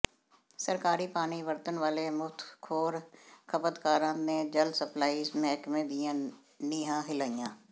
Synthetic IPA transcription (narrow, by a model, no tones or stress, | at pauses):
səɾkaːɾiːpaːniːʋəɾt̪ənʋaːleːmʊt̪ʰkʰoːɾkʰəpət̪kaːɾãːneːd͡ʒəlsəplaːiːzmɛːkmẽːd̪ɪjãː | niːɦãːɦɪlaːijãː